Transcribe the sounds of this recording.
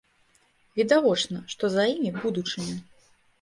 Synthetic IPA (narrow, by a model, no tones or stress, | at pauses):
vʲid̪avɔt͡ʂnɐʂt̪ɔzajimʲibud̪ut͡ʂɨmʲi